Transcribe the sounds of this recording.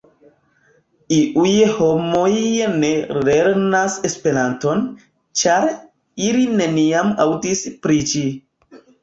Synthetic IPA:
iʔujho̞mojne̞leɾnasespe̞ɾanto̞n | t͡ʃaɾ | iline̞niamawtispɾit͡ʃi

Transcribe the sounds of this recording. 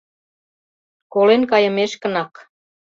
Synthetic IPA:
kolenkɑjə̆meʃkə̆nɑk

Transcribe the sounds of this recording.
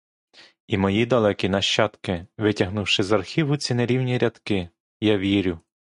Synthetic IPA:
imɔjid̪ɐlˠɛkʲinɐʃt͡ʃːɑt̪kɪʋɪtʲɐɦnuwʃɪzɐrxʲiʋʊt͡sʲineɾʲiwnʲiɾʲɐt̪kɪ | jɑʋʲiɾʲʊ

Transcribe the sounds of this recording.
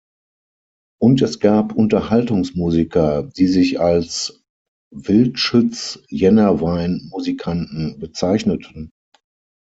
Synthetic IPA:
ʔʊntɛsɡ̥aːpʰʔʊntɐhaltʊŋsmuːzikʰɐd̥iːzɪçals | vɪltʃʊt͡sjɛnɐvaɪnmuzikʰantn̩bət͡saɪçnətʰən̩

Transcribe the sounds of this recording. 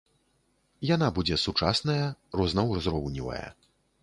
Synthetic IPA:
janabud͡zʲɛsut͡ʂa̰snɐjɐrɔznɐwrɔzɾɔwnʲivɐ̰jɐ̰

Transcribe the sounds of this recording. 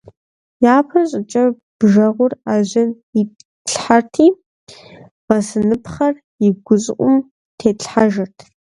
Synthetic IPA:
jaːpʰɐɕʼɪt͡ʃʼɐ | b̥ʒɐʁʷʊraːʑɪn | i | ɬħartʰiː | bɐsɨnɨpχɐr | ɪɡʷʊt͡sʼʔʷʼʊm | tʰeːɬħaʒɐrtʰ

